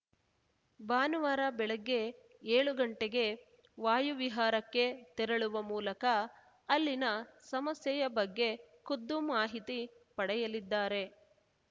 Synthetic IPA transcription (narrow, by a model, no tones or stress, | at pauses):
baːnuʋaːɾɐbɛɭɐɡːe̞ | eːɭuɡɐɳʈeɡe̞ | ʋaːjuʋiɦaːɾɐkːe̞t̪ɛɾɐɭuʋɐmuːlɐkɐː | lːinɐsɐmɐsjɐjɐbɐɡːe̞kud̪ːumaːɦit̪ipɐɽɛjɐlid̪ːaːɾe̞